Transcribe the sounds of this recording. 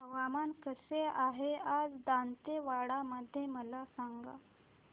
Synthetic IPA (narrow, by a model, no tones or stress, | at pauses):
ɦəʋamankəseaɦead͡zd̪ant̪eʋaɽaməd̪ʱːjeməlasaŋɡa̰